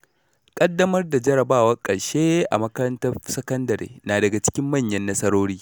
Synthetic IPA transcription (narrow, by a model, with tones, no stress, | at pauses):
kʼɐ˦dːɐ˦mɐ˦rda˨d͡ʒɐ˦ɾɐ˨baː˦˨wɐ˦rkʼɐ˨ɽʃeː˦ʔa̰˨mɐ˦kɐ˦ɾɐ˦ntɐ˦rsɐ˦kɐ˦ndɐ˨ɾḛː˨naː˨dɐ˨ɡa˨t͡ʃɪ̥˦kʲɪ˦mːɐ˦˨ɲjɐ˦nːɐ˦sɐ˦ɽoː˦ɽiː˦